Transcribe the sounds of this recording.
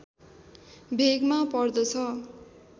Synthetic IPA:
bʱeɡmapʌrd̪ʌt͡sʰʌ

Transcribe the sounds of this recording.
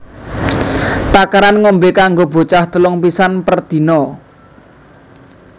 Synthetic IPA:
t̪akaɾanŋɔmbekaŋɡob̥o̤t͡ʃaht̪əlɔŋp̬isanpərd̪̥i̤nɔ

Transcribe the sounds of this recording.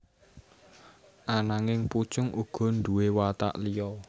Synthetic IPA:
ʔanaŋɪŋput͡ʃʊŋʔuɡ̥ɔ̤nd̪uwewat̪a̰ʔlijɔ

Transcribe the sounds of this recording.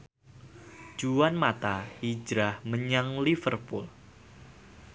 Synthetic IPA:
d͡ʒ̥uanmat̪aid͡ʒɾahməɲaŋlifərpul

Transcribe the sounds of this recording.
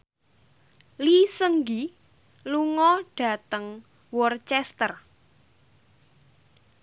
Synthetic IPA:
lisəŋɡi | luŋɔɖ̥ä̤t̪əŋ | wɔrt͡ʃɛst̪ər

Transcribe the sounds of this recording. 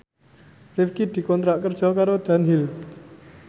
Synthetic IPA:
rɪfkid̪̥i̤kɔnt̪ɾaʔkərd̥ʒ̥ɔ̤kaɾod̪̥a̤nɦil

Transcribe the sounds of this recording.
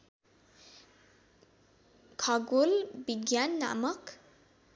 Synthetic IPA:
kʰʌɡulbiɡjanːa̰mʌk

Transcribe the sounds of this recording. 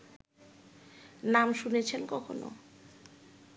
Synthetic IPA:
namʃunet͡ɕʰenkɔkʰo̰no̰

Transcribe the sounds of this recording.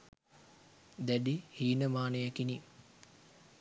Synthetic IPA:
d̪æɖihiːnəmaːnejækini

